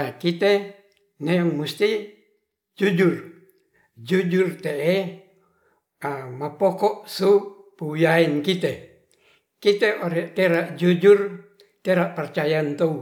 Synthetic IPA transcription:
akit̪e | neɔŋmust̪i | d͡ʒud͡ʒur | d͡ʒud͡ʒurt̪ee | mapokɔʔsupuujainkit̪e | kit̪eʔoɾɛʔt̪eɾaʔd͡ʒud͡ʒur | t̪eɾaʔpərt͡ʃajant̪ou

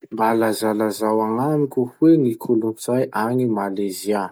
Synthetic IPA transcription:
mbalazalazawaŋanikʲuwenikʰulunt͡sajʔaɲimalezia

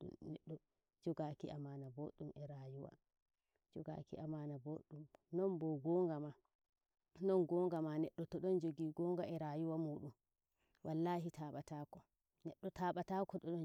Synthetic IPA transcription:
nɛɗːɔ | d͡ʒɔɡakiʔamanaboɗumʔɛɾajuwa̰ | d͡ʒɔɡa̰kḭʔamanaboɗumnɔnbɔɡɔːŋɡama | nɔnɡɔːŋɡamanɛɗːɔtɔɗɔnd͡ʒoɡiːɡɔːŋɡaɛɾaːjuwamuːɗum | wʔalːahitʰaːɓatakɔ | nɛɗːɔtaːɓatakɔɗɔɗɔn

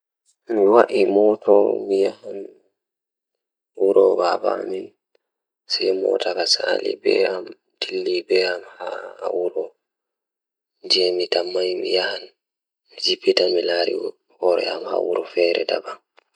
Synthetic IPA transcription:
miwaʔimɔtʰɔmijahan | wuɾɔbaba̰mi | sɛjmɔ̰takasalḭbɛam | tilːibɛamhawuɾɔ | d͡ʒɛmitamːajmḭjahan | mid͡ʒibitamilaɾi | hɔɾɛ̰amha̰wuɾɔfɛːɾɛ̰da̰ba

